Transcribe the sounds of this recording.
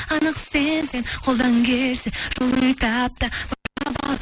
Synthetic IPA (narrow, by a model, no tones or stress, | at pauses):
ɑnəqsensenqʰo̞lˠd̪ɑŋkʲʰeɾsɪʒ̥olˠət̪ɑp̚t̪ɑb̥ɑɾbɑ̰lˠ